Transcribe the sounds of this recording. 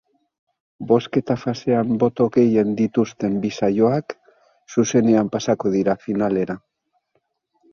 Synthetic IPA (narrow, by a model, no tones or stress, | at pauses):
bo̞ske̞t̪afase̞ambo̞t̪o̞ɣe̞je̞nd̪it̪ust̪e̞mbisajo̞ak | suse̞ne̞ampasako̞ðiɾafinale̞ɾa